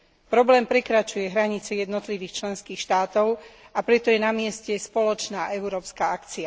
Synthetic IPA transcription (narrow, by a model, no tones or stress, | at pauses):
pɾɔblɛːmpɾɛkɾat͡ʃujɛɦɾaɲit͡sɛjɛd̪nɔt̪liʋiːxt͡ʃlɛnskiːxʃt̪aːt̪ɔʊ | apɾɛt̪ɔjɛnamɪɛscɛspɔlɔt͡ʃnaːʔɛʊɾɔːpskaakt͡sia